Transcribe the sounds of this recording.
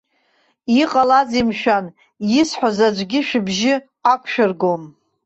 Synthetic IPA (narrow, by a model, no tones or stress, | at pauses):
iqʼalazimʃᶣan | jɪsħʷazad͡ʒʷɡʲɪʃᶣɪbʒɪ | akʷʰʃᶣɪrɡom